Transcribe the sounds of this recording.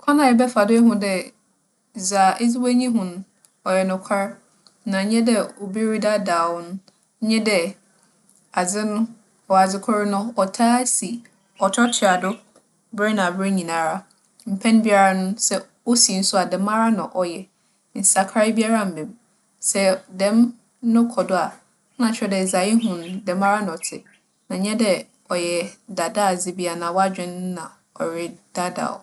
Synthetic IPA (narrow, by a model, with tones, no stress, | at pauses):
kʰã˦nã˨ɾɪ˨bɛ˦fa˨dʊ˦ɛ˦ɦʊ̃˦dɛ˦˨ | za˨ʔɪ˦d͡zɪ˦wæ˦ɲĩ˦ɦʊ̃˨nʊ̃˨˦ | ɔ˨jɛ˨nʊ̃˨kʷʰa˦ɾ | nã˨˦ɲɛ̃˦dɛ˨o˨bi˦ɾi˦da˦daː˨wʊ˦nʊ̃˦ | ɲɛ̃˦dɛ˨ | a˨d͡zɪ˦nʊ̃˦ | ɔ˨a˨d͡zɪ˦kʰɔ˦ɾɪ˦nʊ̃˦ɔ˨tʰaː˦si˨ | ɔ˨tʰɔ˦tʰɪ˨a˨dʊ˦ | bɾɛ˦nã˨bɪ˦ɲĩ˨nã˨ɾa˦ | m̩˨pʰɛ̃˦n˦bi˦a˨ɾa˦nʊ̃˦sɛ˦ | o˦sĩ˨n̩˦sʊ˦a˨dɛ˨mã˦ɾa˦nã˨ʔɔ˨jɛ˨ | n̩˨sa˨kʰa˦ɪ˦bi˦a˦ɾa˦m̩˨bɛ̃˨m | sɛ˦dɛ̃˦m | nʊ̃˦kʰɔ˨dʊ˦a˨˦ | nã˨t͡ɕʰᶣɪ˦ɾɛ˨dɛ˨za˨jɪ˦ɦʊ̃˨ndɛ˨mã˦ɾa˦ñ˨ɔ˨tʰɪ˨ | nã˨ɲɛ̃˦dɛ˨ | ɔ˨jɛ˨da˨da˦˨zɪ˨˦bi˦a˨nã˨wa˦d͡ʑᶣɪ̃˦n˦nã˨ | ɔ˨ɾɪ˦d̥a˦da̰˨